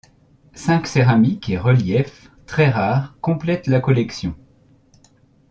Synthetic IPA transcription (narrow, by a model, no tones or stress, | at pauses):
sɛ̃kseʁamikeʁəljɛf | t̪χɛʁaʁkɔ̃plɛt̪lakɔlɛksjɔ̰̃